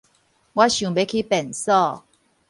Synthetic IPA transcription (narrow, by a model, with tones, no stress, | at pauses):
wa˦ɕjũ˨be˨˦kʰi˦pɛ˨˩nsɔ˥˧˨